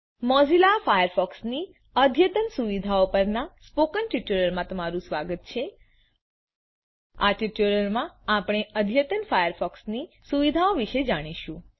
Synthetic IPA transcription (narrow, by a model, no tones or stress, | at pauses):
mɔzilafajəɾfɔksni | əd̪ʱjət̪ənsuʋid̪ʱaopəɾnaspokənʈiʈuɾəɾmãt̪əmaɾũsʋaɡət̪̚t͡ʃʰe | a̰ʈiʈuɾəɾmãapɽ̃eʔəd̪ʱjət̪ənfajəɾfɔksni | suʋid̪ʱaoʋiʃed͡ʒaɽ̃iʃũ